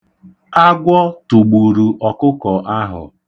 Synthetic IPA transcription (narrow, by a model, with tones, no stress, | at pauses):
a˦ɡʷɔ˦tu˨ɡ͡bu˨ɾu˨ʔɔ˨kʊ˦kɔ˨ʔa˦ɦʊ̰˨